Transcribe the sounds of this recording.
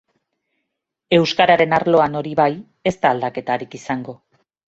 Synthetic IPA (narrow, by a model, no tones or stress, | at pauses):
e̞wskaɾaɾe̞naɾlo̞ano̞ɾiβaj | e̞st̪aːld̪ake̞t̪aɾikisaŋɡo̞